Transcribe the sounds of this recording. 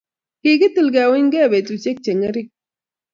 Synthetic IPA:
ki˨ɡi˦t̪ɨ˨lɡaː˨we˦ɲɡe˦˨be˨t̪u˨t͡ʃe˦k̚t͡ʃe˨ŋɐ˦ɾi˦

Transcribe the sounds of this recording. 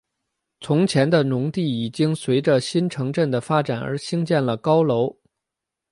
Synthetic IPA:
t͡sʰʊ˧˥ŋt͡ɕʰjɛ˧˥nd̪ə˧nʊ˧˥ŋt̪i˥˩i˨˩t͡ɕi˥ŋswe˧˥ɪʈ͡ʂə˧ɕi˥nʈ͡ʂʰɤ˧˥ŋʈ͡ʂə˥˩nd̪ə˩fa˥ʈ͡ʂa˨˩nə̰˞˧˥ɕi˥ŋt͡ɕjɛ˥˩nlə˩kɑ˥ʊlo˧˥ʊ

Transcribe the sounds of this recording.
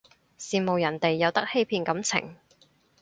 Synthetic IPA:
siː˨mo˨wjɐ˨˩nt̪e˨jːɐ˨˧wt̪ɐ˥k̚he˥jpʰiː˧nkɐ˨˥mt͡sʰɪ̰˨˩ŋ

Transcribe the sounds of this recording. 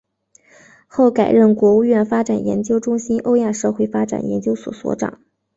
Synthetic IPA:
xo˥˩ʊka˨˩ɪɻə˥˩nkwɔ˧˥u˥˧ɥɛ˥˩nfa˥ʈ͡ʂa˨˩njɛ̰˧˥nt͡ɕjo˥ʊʈ͡ʂʊ˥ŋɕi˥nʔo˥ʊja˥˧ʂɤ˥˧xwe˥˩ɪfa˥ʈ͡ʂa̰˨˩njɛ̰˧˥nt͡ɕjo˥ʊswɔ̰˨˩swɔ̰˧˥ʈ͡ʂɑ̰˨˩˦ŋ

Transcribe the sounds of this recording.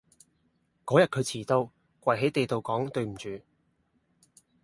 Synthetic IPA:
kɔː˨˥jɐ˨t̚kʰɵ˨˧t͡sʰiː˨˩t̪o˧w | kwɐ˨˩jɦe˨˥jt̪e˨jt̪o˨wkɔː˨˥ŋt̪ɵ˧ɥm̩˨˩t͡ʃyː˨˧

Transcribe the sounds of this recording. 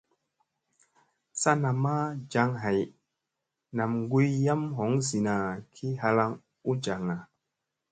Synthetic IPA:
sa˦na˨ma˦d͡ʒa˧ŋɦa˨j | na˨mŋɡu˦jja˦mɦo˨˦ŋzi˨na˨kʰi˦ɦa˧la˦ŋ | u˦d͡ʒa˨ŋa˨

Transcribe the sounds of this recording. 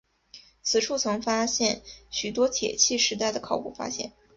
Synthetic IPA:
t͡sʰɹ̩˨˩ʈ͡ʂʰu˥˩t͡sʰɤ˧˥ŋfa˥ɕjɛ˥˩nɕy˨˩t̪wɔ˥t̪ʰjɛ̰˨˩t͡ɕʰi˥˩ʂɻ̩˧˥t̪a˥˩ɪd̪ə˩kʰɑ˨˩ʊpṵ˥˩fa̰˥ɕjɛ̰˥˩n

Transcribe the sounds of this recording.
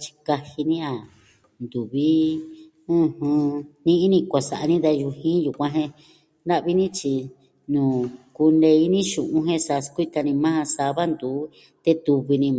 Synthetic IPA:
t͡ʃi̥˧ka˧hi˧nĩ˦a˨ | nd̪u˨βi˦ | ɨ̃˧hɨ̃˧nĩ˦ʔi˦nĩ˧kʷa˨sa˨ʔa˧nĩ˦ða˧ʒu˧hĩ˦ju˨kʷã˧ɦẽ˧ | na˦ʔβi˦nĩ˦t͡ʃi˧ | nũː˨ku˧ne˧i˦nĩ˦ʃũ˨ʔũ˧˦ɦẽ˧sa˧skʷi˦t̪a˧nĩ˧mã˦hã˧sa˧βa˦nd̪uː˨˦ | t̪e˦t̪u˧βi˧nĩ˧

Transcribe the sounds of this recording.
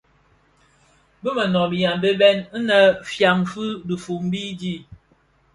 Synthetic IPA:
bə˦mə˨nɔ˨bi˨ja˨m˨be˦bɛ˦n̩˦nə˨fja˨ŋ˨fɨ˦də˨fu˨m̩˦bi˦di˦˨

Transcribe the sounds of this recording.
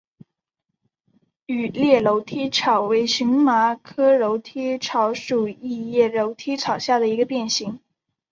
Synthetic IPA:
y˨˩ljɛ˥˩lo˧˥ʊt̪ʰi˥ʈ͡ʂʰɑ˨˩ʊwe˧˥ɪɕy˧˥ŋma˧˥kʰɤ˥ɻo˧˥ʊt̪ʰi˥ʈ͡ʂʰɑ˧˥ʊʂu˨˩i˥˧jɛ˥˩lo˧˥ʊt̪ʰi˥ʈ͡ʂʰɑ˨˩ʊɕja˥˩d̪ə˩i˧˥ɡə˧pjɛ˥˩nɕi˧˥ŋ

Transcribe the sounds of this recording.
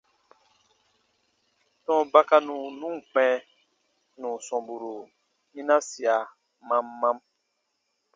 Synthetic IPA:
tɔ̃˦˨ba˦ka˧nũ˨nũ˦ŋ˨k͡pɛ̃˨ | nũ˨sɔ̃˨bu˨ɾu˨ | nĩ˦nã˦si˨a˨ | mã˦mːã˦m

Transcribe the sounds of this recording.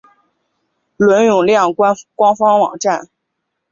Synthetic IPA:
lwə˧˥njʊ˨˩ŋljɑ˥˩ŋ˥kwɑ˥ŋfɑ˥ŋwɑ̰˨˩ŋʈ͡ʂa˥˩n

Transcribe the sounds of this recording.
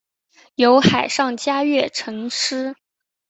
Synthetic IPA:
jo˧˥ʊxa˨˩ɪʂɑ˥˩ŋt͡ɕja˥ɥɛ˥˩ʈ͡ʂʰɤ˧˥ŋʂɻ̩˥

